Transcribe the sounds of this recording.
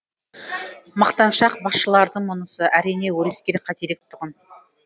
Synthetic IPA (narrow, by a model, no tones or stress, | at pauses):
mɑqt̪ɑnʃɑq̚bɑsʃəlˠɑɾd̪əɴmonəsəʔæɾijne̞wɵɾeskʲe̞ɾqʰɑt̪eɾek̚t̪ʰʊʁən